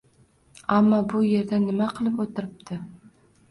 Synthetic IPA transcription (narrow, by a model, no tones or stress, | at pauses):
amːɒbʊje̞ɾd̪anːɪmaqʰɨlˠɪpot̪ʰɪɾɪp̚t̪ʰɪ